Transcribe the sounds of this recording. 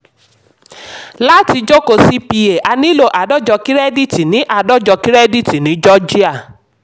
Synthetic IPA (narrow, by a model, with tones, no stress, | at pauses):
la˦ti˧d͡ʒo˦ko˧˨si˦pi˧e˨ʔa˧nĩ˦lo˦˨ʔa˨dɔ˦d͡ʒɔ˧ki˦ɾɛ˦di˦˨ti˨nĩ˨˦ʔa˦˨dɔ˦d͡ʒɔ˧ki˦ɾɛ˦di˦˨ti˨nĩ˨˦d͡ʒɔ˦d͡ʒi˦a˦˨